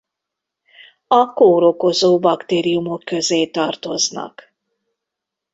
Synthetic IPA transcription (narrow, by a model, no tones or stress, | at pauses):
ɒkoːɾoko̞zoːbɒkt̪eːɾijumo̞kːøzeːt̪ɒrt̪o̞znɒ̰k